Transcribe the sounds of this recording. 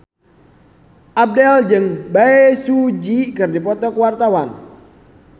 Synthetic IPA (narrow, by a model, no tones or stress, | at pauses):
ʔab̚dɛld͡ʒɨŋbaesud͡ʒikɨrdipɔt̪ɔkwart̪awan